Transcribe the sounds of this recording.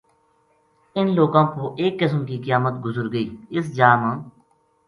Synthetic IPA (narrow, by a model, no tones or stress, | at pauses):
ɪnloːɡãːpoːʔeːkːɪsmkiːkəjaːmət̪ɡʊzəɾɡəiːɪsd͡ʒaːmãː